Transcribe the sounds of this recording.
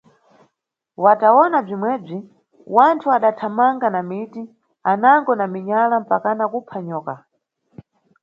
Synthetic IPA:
wataɔnab͡ʐimwɛːb͡ʐi | wantʰuaɗatʰamaŋɡanamiti | anaŋɡɔnamiɲalam̩pakanakupʰaɲɔːka

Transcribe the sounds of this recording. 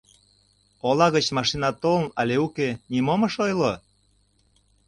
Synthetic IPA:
olɑɣə̆t͡ɕmɑʃinɑt̪olənɑlʲeukenimomə̆ʃojlo

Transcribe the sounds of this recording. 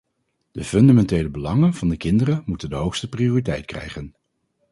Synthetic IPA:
d̥əfɵndamɛntejləbəlɑŋənv̥ɑndəkɪndərəmutəndəɦowχstəprijoːritɛjtkrɛ̰jχən

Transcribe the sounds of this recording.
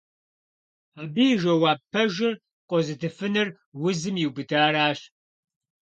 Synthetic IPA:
aːbiːʒɐwaːpʰːɐʒɪr | qʷʼɔzɨtʰɨfɨnɨr | wʊzɨmjiwbɨdaːɾaːɕ

